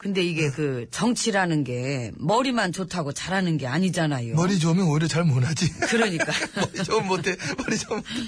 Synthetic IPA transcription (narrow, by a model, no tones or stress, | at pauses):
kɯnde̞iɡe̞kɯt͡ɕʌŋt͡ɕʰiɾanɯnɡe̞mʌɾimant͡ɕotʰaɡot͡ɕaɾɦanɯnɡe̞aɲid͡ʑanajomʌɾid͡ʑomjʌnoiɾjʌt͡ɕaɭmonad͡ʑikɯɾʌɲik͈aɾiomːotʰemʌɾid͡ʑomːote